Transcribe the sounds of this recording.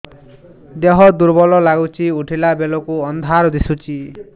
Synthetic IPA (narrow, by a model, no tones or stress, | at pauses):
d̪eɦɔd̪uɾbɔlɔlaɡut͡ʃʰiuʈʰilabelɔkuɔnd̪ʱaɾɔd̪isut͡ʃʰi